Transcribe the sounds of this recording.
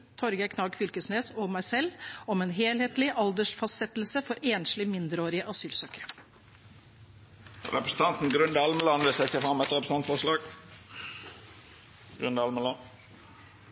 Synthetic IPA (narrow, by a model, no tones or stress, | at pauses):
t̪ʰɔɾɡəkʰnɑːɡfʏlkəsneːsɔmæɪsɛlːɔmeːnɦeːlheːt̪lɪʔɑld̪əʂfɑst̪sɛt̪lsəfɔɾeːnslɪmɪnd̪əɾoːɾɪəʔɑsyːlsøːkəɾ | ɾɛ̰pɾəsn̩t̪ʰɑnt̪n̩ɡɾʉnd̪əɑlməlɑnʋəsæɪseːfɾɑmːɛt̪ʁɛpɾəs̩nɑnt̪fɔʂlɑːɡ̥ | ɡ̥ɾʉnd̪əɑlməlɑn